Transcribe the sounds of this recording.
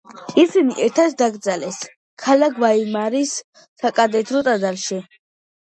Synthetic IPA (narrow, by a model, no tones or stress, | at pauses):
isiniʔɛɾt̪ʰat̪ʰd̪aɡd̪zalɛs | kʰalaɡʰvaimaɾis | sakʼad̪ɛt̪ʰɾɔt̪ʼad̪alʃi